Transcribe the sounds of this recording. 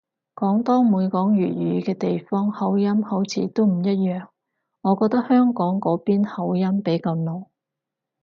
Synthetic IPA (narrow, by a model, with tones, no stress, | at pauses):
kɔː˨˥ŋt̪ɔː˥muː˨˧jkɔː˨˥ŋjyː˨˩t̚jyː˨˧kɛː˧t̪e˨jfɔː˥ŋhɐ˨˥wjɐ˥mho˨˥wt͡sʰiː˨˧˥t̪o˥wm̩˨˩jɐ˥t̚jœː˨˩ŋ | ŋɔː˨˧kɔː˧k̚t̪ɐ˥k̚hœː˥ŋkɔː˨˥ŋkɔː˨˥piː˥nhɐ˨˥wjɐ˥mpe˨˥jkɐ˧mno˨˩w